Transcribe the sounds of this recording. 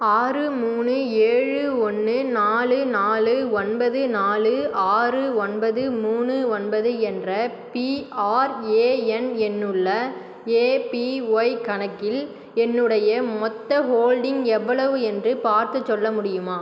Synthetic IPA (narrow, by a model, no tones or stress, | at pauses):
aːrɯmuːnɯ | eːɻɯɔnːɯnaːlɯnaːlɯɔnbɐðɯnaːlɯʔaːrɯɔnbɐðɯmuːnɯɔnbɐðɯɛndrɐ | piaːɾeːɛnɛnːɯɭːɐ | eːpiɐɪkɐɳɐkːɪl | ɛnːɯɽɐjɐmɔt̪ːɐɦoːlɖɪŋɡɛʋːɐɭɐʋɯɛndrɯpaːɾt̪ɯt͡ʃːɔɭːɐmʊɽɪjɯmaː